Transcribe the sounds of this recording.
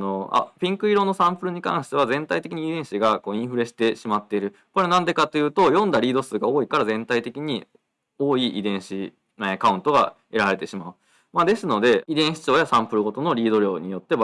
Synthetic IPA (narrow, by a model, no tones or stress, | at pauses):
no̞a̰pʲĩŋkɯ̟iɾo̞ːno̞sãmpɯ̟ɾɯ̟ɲ̟ikã̰ɰ̃ɕi̥t̪e̞β̞azẽ̞nt̪ait̪ekʲiɲ̟iːd̪ẽ̞ɰ̃ɕiɡako̞ːĩɰ̃ɸɯɾe̞ɕi̥t̪e̞ɕimat̪ːe̞iɾɯ̟ | ko̞ɾe̞nãnd̪e̞kat̪ːo̞jɯ̟ːt̪o̞jõ̞nd̪aɾʲiːd̪o̞sɨːɡao̞ːikaɾazẽ̞nt̪ait̪e̞kʲiɲ̟i | o̞ːiʔḭd̪ẽ̞ɰ̃ɕi | nekaɯ̟̃nt̪o̞ɡa̰ | e̞ɾaɾe̞t̪e̞ɕimaɯ̟ | maːd̪e̞sɨno̞d̪e̞id̪ẽ̞ɰ̃ɕi̥t͡ɕo̞ːjasãmpɯ̟ɾɯ̟ɡo̞t̪o̞no̞ɾʲiːd̪o̞ɾʲo̞̰ːɲ̟ijo̞t̪ːe̞